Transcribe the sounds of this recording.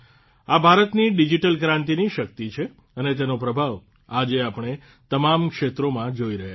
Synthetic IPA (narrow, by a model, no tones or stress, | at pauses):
abʱaɾət̪niɖid͡ʒiʈəlkɾãnt̪iniʃək̚t̪it͡ʃʰe | ənet̪̬enopɾəbʱaʋ | ad͡ʒeapɳ̃e | t̪əmamkʃet̪ɾomãd͡ʒoiɾəɦa